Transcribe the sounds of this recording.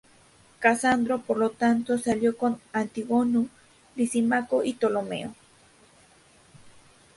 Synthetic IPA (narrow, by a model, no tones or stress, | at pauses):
kasand̪ɾopoɾlot̪ant̪osaljokonant̪iwonu | lisimakoʔit̪olomḛo